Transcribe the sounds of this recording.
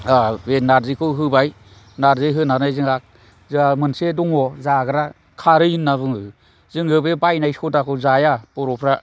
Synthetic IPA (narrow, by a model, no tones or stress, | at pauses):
abenaɾzɯkʰɯɦɯbaj | naɾzɯɦɯnaɾnajzɯŋak̚ | zɯamɯnsedɔŋɔzaɡɯɾa | kʰaɾɯjɯnːaβɯŋɯ | zɯŋɯbebajnajsɔtakʰɯzajapɔɾɔpʰɾa